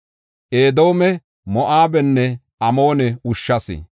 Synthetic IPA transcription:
ʔeːd̪o̞ːmɛ | mɔʔaːbɛnːɛ | ɐmo̞ːnɛʊʃːɐsɪ̰

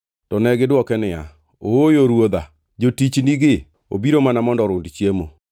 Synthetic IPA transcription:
tɔnɛɡɪdwɔkɛnɪa̰ | oojoɾwoda | d͡ʒotit͡ʃniɡɪ | o̰biɾomanamɔndɔɾʊndt͡ʃjemo

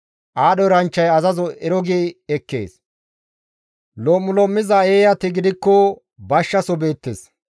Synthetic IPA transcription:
ʔaːɗɔɾɐnt͡ʃːɐjɐzɐzɔɛɾɔɡeːɛkːe̞̰ːs | lɔːmːʊlɔmːɪzɐeːjɐt̪ɪɡɪd̪ɪkːɔ | bɐʃːɐsɔbe̞ːt̪ːes

